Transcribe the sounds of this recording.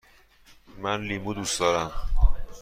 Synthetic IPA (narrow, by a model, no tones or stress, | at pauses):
mænliːmud̪usd̪ɒːɾæm